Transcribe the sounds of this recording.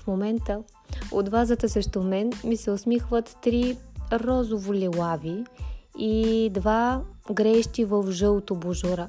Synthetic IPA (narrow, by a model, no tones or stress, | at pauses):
fmomɛnt̪ə | ot̪vazət̪əsɾɛʃt̪omɛnmisɛosmixvət̪ːɾiɾɔzovolʲɛlˠaviid̪vaɡɾɛʃt̪ivəfʒɤlˠt̪oboʒoɾə